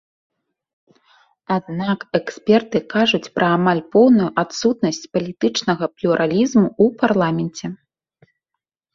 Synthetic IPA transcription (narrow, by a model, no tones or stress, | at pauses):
ad̪nakɛksʲpʲɛrt̪ɨkaʐut͡sʲpɾɐːmalʲpɔwnujuʔat̪sut̪̚nɐsʲt͡sʲpɐlʲit̪ɨt͡ʂnɐɣɐplʲuɾʔalʲizmuuparlˠamʲɛnt͡sʲɛ